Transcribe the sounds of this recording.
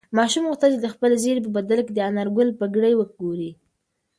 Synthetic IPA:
mɑʃumɣuxt̪at͡ʃed̪əxpəlezeɾep̬əbad̪alked̪əanaɾɡʊlpəɡɽəjwəɡoɾi

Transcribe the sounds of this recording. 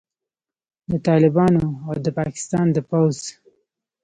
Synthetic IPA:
d̪ət̪ɑlɪbɑnoawd̪əpɑkɪ̥st̪ɑnd̪əpawz̥

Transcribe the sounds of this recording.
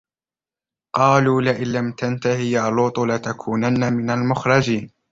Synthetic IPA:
qɑːluːlɪʔɪnlamt̪ant̪ahɪjaːluːt̪ˤʊlɪt̪akʰuːnanːamɪnalmʊxɾˤɑd͡ʒiːn

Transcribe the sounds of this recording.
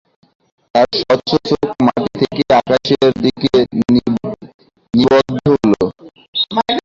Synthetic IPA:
t̪aɾʃɔt͡ɕot͡ɕokmat̪ait̪ʰekeakaʃeɾd̪ike | nibɔd̪ʱolo

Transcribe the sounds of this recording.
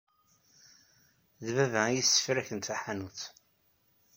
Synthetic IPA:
ðvævæjisːə̥fɾæçənt̪aħanuθ

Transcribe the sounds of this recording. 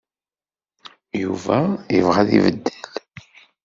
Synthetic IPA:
juvæəvʁaðḭvəd̪ːəl

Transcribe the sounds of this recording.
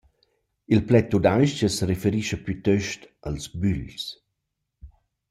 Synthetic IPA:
ilplɛt̪ːud̪ajʃt͡ʃəsɾefeɾiʃəpyt̪øʃtalsbyʎs

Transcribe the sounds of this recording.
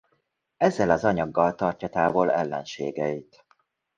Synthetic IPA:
ɛzːɛlɒzɒɲɒɡːɒlt̪ɒrcɒt̪aːvolɛlːɛ̰nʃḛːɡɛit̪

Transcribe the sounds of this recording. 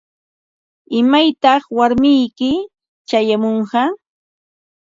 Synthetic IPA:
ɪmajt̪ɑχwaɾmɪjkɪ | t͡ʃajamoɴɢɑ

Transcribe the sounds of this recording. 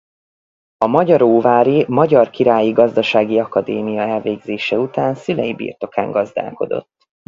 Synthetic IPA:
ɒmɒɟɒɾoːvaːɾimɒɟɒrkiɾaːjiɡɒzd̪ɒʃaːɡiɒkɒd̪eːmijɒɛlveːɡzeːʃɛut̪aːnsylɛjibḭrt̪o̞ka̰ːŋɡɒzd̪a̰ːlko̞̰d̪o̞̰t̪ː

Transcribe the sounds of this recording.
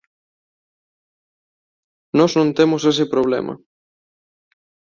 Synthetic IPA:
nɔznõnt̪emʊsesɪpɾoβlḛmɐ̰

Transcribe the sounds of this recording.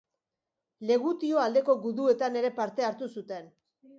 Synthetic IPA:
le̞ɣut̪io̞ald̪e̞ko̞ɣuðue̞t̪ane̞ɾe̞paɾt̪e̞aɾt̪usut̪e̞n

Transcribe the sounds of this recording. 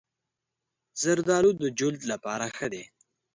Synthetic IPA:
z̥əɾd̪ɑlud̪əd͡ʒʊld̪lapɑɾaxəd̪e

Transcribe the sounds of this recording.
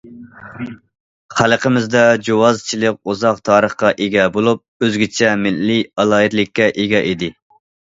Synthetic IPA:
χælˠəqʰəmɪzd̪ɛd͡ʒowɑzt͡ʃʰilˠɪk̚ʲuzɑqt̪ʰɑːɾəχqɑʔeɡʲɛbolˠup̚øzɡʲit͡ʃʰɛmɪlːiɑlˠɑːit̪lɪkʲːɛʔeɡʲɛʔed̪ɪ

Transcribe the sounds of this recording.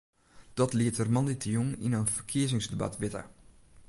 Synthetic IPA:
d̥ɔtliətərmɑnditʰjuŋinənfərkʰiəzɪŋsdəba̰tʋɪtə̰

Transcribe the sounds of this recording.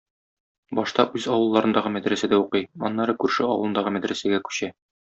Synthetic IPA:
bɒʃt̪ɑʔʉzɒwɤ̆lˠːɑɾɤ̆nd̪ɑʁɤmæd̪ɾæsæd̪æuqɤjɒ̰nːɑɾɤkʉɾʃɘɒwɤlˠɤ̆nd̪ɑʁɤmæd̪ɾæsæɡækʉ̥ɕæ

